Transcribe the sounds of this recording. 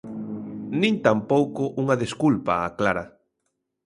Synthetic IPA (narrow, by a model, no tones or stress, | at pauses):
nĩnt̪ampowkʊʔuŋaðeskulpaːklaɾa